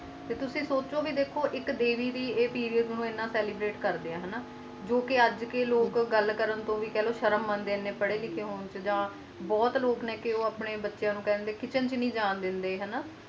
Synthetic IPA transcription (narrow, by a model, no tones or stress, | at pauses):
t̪eːt̪ʊsĩːsoːt͡ʃoːʋiːd̪eːkʰoːʔɪkd̪eːʋiːd̪iːeːpiːɾijəd̪nũːɪnːãːsɛːliːbɾeːʈkəɾd̪eaːɦɛnaː | d͡ʒoːkɪəd͡ʒkeloːkɡəlkəɾənt̪õːʋiːkɛːloːʃəɾəmːənd̪eːnːeːpəɽeːlɪkʰeːɦoːnt͡ʃd͡ʒãː | bɔːt̪loːknẽːkɪoːaːpɳeːbətːʃjãːnũːkɛːnd̪eːkɪt͡ʃənt͡ʃnĩːd͡ʒaːnd̪ɪnd̪eːɦɛːnaː